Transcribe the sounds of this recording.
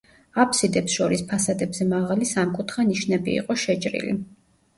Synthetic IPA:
apʰsid̪ɛpsʃɔɾispʰasad̪ɛbzɛmaʁalisamkʼut̪ʰχaniʃnɛbḭːqʼɔʃɛt͡ʃʼɾḭlḭ

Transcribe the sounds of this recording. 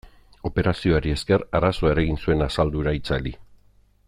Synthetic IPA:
o̞pe̞ɾasio̞aɾie̞ske̞raɾasoae̞ɾaɣinsue̞nasald̪uɾait͡sali

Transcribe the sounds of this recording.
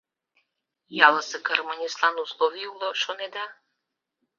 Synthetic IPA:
jalˠɐsɪkɐɾmɐnʲislˠanuslˠɔʋʲiwlˠɔʃɔnɛd̪a

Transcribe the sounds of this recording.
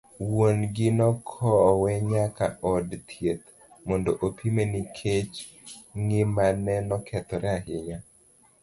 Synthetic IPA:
wonɡɪnɔkʰɔwɛɲakaɔdt̪ʰjet̪ | mɔndoʔopʰimenikʰet͡ʃ | ŋɪmanɛnɔkʰɛt̪ɔɾʔɛahɪɲa

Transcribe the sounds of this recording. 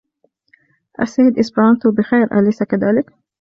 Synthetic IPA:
ʔa̰saːɪd̪ʔɪsbɑnt̪ubɪxajɾʔa̰lajsakaðaːlɪk

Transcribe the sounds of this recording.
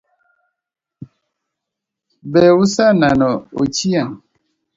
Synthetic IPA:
bɛwusananɔo̰t͡ʃiaŋ

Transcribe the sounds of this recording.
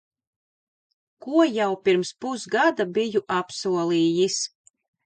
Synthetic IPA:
kuɔjawpiɾmspusɡad̪abijuʔapsuɔlˠiːjis

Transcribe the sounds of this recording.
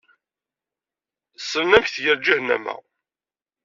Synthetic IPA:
sənnæmçθjəɾd͡ʒihnæ̰mæ̰

